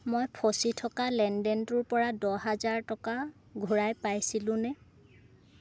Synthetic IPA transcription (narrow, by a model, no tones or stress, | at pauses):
mojpʰɔsitʰɔkalɛndɛntuɹpɔɹadɔɦazaɹtɔka | ɡʱuɹajpajsilʊ̃nɛ